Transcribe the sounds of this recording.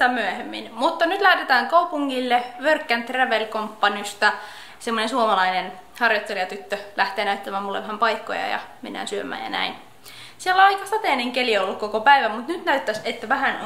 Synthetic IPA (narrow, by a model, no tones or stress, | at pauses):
ɑmyøhemːḭnmut̪ːɑnyt̪læht̪et̪æːŋkɑupuŋːilːeʋørkːænt̪ræʋelkompːɑnist̪ɑ | semːonensuomɑlɑinen | hɑrjot̪ːelijɑt̪yt̪ːølʔæht̪eːnæyt̪ːæmæːmulːḛʋæhæmpɑikːo̰jɑ̰jɑ̰menːæ̰ːnsyømˑæ̰ːjɑ̰næ̰in | sielːæɑikːɑst̪ɑt̪eːneŋkelieolːukkokopæiʋæmut̪nyt̪næyt̪ːæset̪ːæʋæɦæn